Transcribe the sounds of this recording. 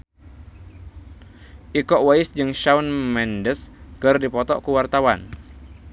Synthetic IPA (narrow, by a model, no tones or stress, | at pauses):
ʔikɔʔwaɪsd͡ʒɨŋʃaunmɛndəskɨrdipɔt̪ɔʔkuwart̪awan